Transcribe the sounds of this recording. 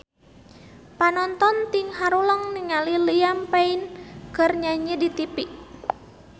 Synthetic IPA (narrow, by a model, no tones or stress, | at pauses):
panɔnt̪ɔnt̪iŋɦaɾuləŋniŋalilijampainkərɲaɲidit̪ipiʔ